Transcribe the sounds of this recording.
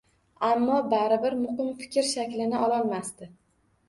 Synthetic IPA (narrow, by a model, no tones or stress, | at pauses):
amːɒbaɾɪbɪɾmʊhɪmfɪ̥kʲɾʃakʲlɪnɪʔɒlˠɒlˠmast̪ɪ